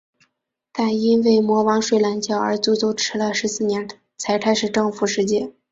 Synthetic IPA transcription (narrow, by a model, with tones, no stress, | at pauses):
t̪a˥˩ni˥nwe˥˩ɪmwɔ˧˥wɑ˧˥ŋʂwe˥˩ɪla˧˥nt͡ɕjɑ˥˩ʊə˞˧˥t͡su˥t͡so˥ʊʈ͡ʂʰɻ̩˧˥lə˧ʂɻ̩˧˥sɹ̩˥˩njɛ˧˥n | t͡sʰa˧˥ɪkʰa˥ɪʂɻ̩˥˩ʈ͡ʂɤ˥˧ŋfu˧˥˩ʂɻ̩˧˥t͡ɕjɛ˥˩n